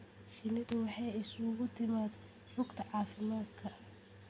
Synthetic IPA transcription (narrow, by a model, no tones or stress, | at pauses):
ʃɪnɪd̪ɐwɑħɑjɪsʊɣʊt̪ʰɪmaːd̪ | rʊɡt̪ʰɐʕɑːfɪmaːd̪kʰɐ